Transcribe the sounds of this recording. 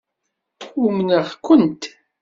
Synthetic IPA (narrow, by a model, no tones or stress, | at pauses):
ʊmnəʁkʷʊnt̪